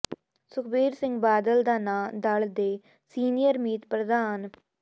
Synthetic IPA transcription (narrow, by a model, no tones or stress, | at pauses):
sʊkʰbiːɾsɪ̃ŋɡbaːd̪əld̪aːnãːd̪əɭd̪eː | siːnijəɾmiːt̪pɾəd̪aːn